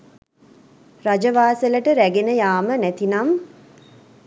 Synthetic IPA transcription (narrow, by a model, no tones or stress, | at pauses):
rad͡ʒəʋaːsələʈəɾæɡenəjaːmənæt̪inam